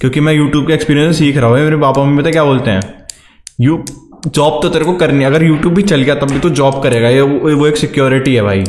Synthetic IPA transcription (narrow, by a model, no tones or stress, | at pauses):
kʲjõːkimɛ̃ːjuːʈjuːb̚kekspiːɾijənsesiːkʰɾaɦobaːimeːɾepaːpamipɐt̪aːekʲjaːboːlt̪eɦɛ̃ː | juːd͡ʒɔːb̚t̪ot̪eɾekokɐɾniɐɡəɾjuːʈjuːbːʱit͡ʃɐlɡejat̪ɐbːit̪od͡ʒɔːbkɐɾeːɡajeʋoeːksɪkjoːɾɪʈiɦɛbʱa̰ːiː